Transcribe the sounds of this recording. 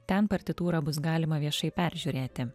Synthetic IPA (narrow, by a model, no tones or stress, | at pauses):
t̪ʲɛnpɐɾʲt̪ʲɪt̪uːɾɑːbʊsɡɑːlʲɪmɐʋʲiɛʃɐɪpʲæˑɾʲʒʲuːɾʲeːt̪ʲɪ